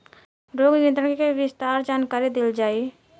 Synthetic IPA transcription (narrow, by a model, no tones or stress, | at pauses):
ɾoɡjə̃nt̪ɾəɽkekeʋɪst̪aːɾd͡ʒaːnkaːɾid̪ɪld͡ʒaːi